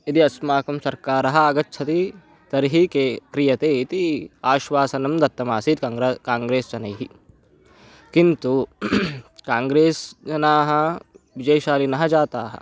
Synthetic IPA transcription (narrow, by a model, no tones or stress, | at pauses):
id̪iɐsmaːkɐmsɐɾkaːɾɐɦɐ̆aɡɐt͡ʃːʃʰɐt̪i | t̪ɐɾiɦikeːkɾijɐt̪eːit̪iaːʃʋaːsɐnɐmd̪ɐt̪ːɐmaːsit̪ːkaːŋɡɾeːst͡ʃɐnɐjɦi | kint̪u | kaːŋɡɾeːsd͡ʒɐnaːɦɐ̆ʋid͡ʒɐjʃaːlinɐɦɐd͡ʒaːt̪aːɦɐ̰̆